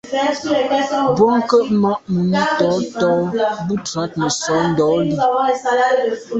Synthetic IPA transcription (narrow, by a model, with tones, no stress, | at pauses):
bɔ˦ŋ˦kə˦ʔmɔ˦ʔʔmu˨˦tɔ˨˦tɔ˦bu˦tɾa˨˦t̚mə˨sɔ˨˦n̩˦dɔ˨˦li˦˨˦a˨la˦˨˦